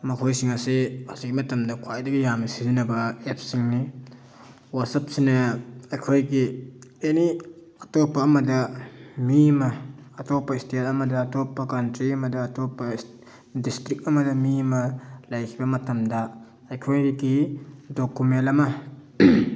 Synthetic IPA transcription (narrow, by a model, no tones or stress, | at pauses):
mɐkʰojsiŋɐseasiɡimɐtɐmdɐkʰwajdɐɡijamisizinɐbɐep̚siŋni | wasɐp̚sinɐɐjkʰojɡieni | ɐtopːɐːmɐdɐmimɐːtopːɐistetɐmɐdɐːtopːɐkɐntɾiɐmɐdɐːtopːɐs | distɾik̚ɐmɐdɐmimɐlɐjkʰibɐmɐtɐmdɐ | ɐjkʰojɾiɡidokumenlɐmɐ